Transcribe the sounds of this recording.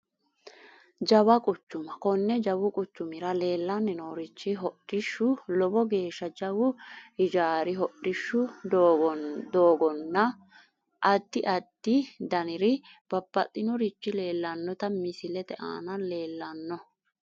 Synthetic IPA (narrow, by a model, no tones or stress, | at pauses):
d͡ʒɐβɐkʼʊt͡ʃːʊmɐkɔnːɛd͡ʒɐwʊkʼʊt͡ʃːʊmɪɾɐle̞ːlːɐnːɪnoːɾɪt͡ʃːɪɦɔɗɪʃːʊlɔbɔɡe̞ːʃːɐd͡ʒɐwʊɪd͡ʒaːɾɪɦɔɗːɪʃːʊ | d̪oːɡɔnːɐ | ʔɐd̪ːɪʔɐd̪̥ːɪd̪ɐnɪɾɪb̥ɐbːɐt̪ʼːɪnɔɾɪt͡ʃːɪle̞ːlːɐnːɔt̪ɐmɪsɪlɛt̪ɛʔa̰ːnɐle̞ːlːɐnːɔ